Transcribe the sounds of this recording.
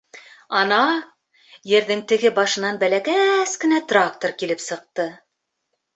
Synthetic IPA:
ɑnɑ | jɘ̆ɾðɘŋt̪ɘ̆ɡɘbɑʃɤ̆nɑnbælækæskɘ̆næt̪rak̚t̪orkilɘpsɤ̆q̚t̪ɤ

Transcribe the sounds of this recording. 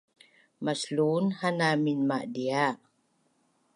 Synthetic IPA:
maslunhanaminmaʔdia

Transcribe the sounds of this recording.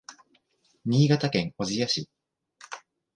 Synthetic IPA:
ɲ̟ʲiːɡat̪akẽ̞ŋozijaɕḭ

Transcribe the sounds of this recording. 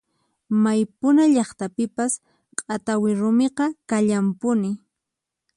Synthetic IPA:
majpʊnaʎɑχt̪apɪpas | qʼat̪awɪɾʊmeqɑkaʎampʊnɪ

